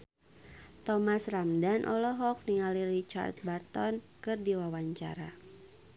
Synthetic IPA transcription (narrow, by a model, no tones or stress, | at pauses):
t̪ɔmasramdanʔɔlɔɦɔk̚niŋalirit͡ʃa̰rt̪̚bart̪ɔn | kɨrdiwawaɲt͡ʃa̰ɾa̰